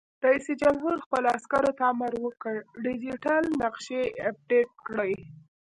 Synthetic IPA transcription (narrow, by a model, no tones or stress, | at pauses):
ɾaised͡ʒamɦuɾxpəloaskaɾot̪aːmaɾwəkəɽɖid͡ʒiʈalnaqʃeap̚ɖeʈ̚kɽəj